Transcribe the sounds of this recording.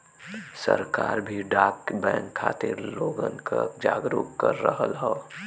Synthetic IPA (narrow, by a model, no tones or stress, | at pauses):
sɐɾkaːɾbʱiɖaːkbɛ̃ːŋkʰːaːt̪ɪɾloːɡənkad͡ʒaːɡɾuːkkəɾːəɦəlɦa